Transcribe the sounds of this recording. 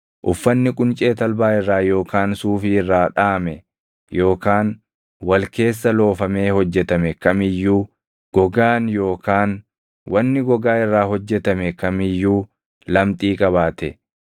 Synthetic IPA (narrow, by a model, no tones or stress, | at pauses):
ʔʊfːɐnːɪkʼʊnt͡ʃʼe̞ːt̪ɐlbaːɪrːaːjo̞ːkaːnsuːfɪɪrːaːᶑaːmɛ | jo̞ːkaːn | wɐlke̞ːsːɐlo̞ːfɐme̞ːhɔd͡ʒːɛt̪ɐmɛkɐmɪjːuː | ɡ̥ɔɡaːnjo̞ːkaːn | wɐnːɪɡɔɡaːɪrːaːɦɔd͡ʒːɛt̪ɐmɛkɐmɪjːuː | lɐmt̪ʼiːkʼɐβaːt̪ɛ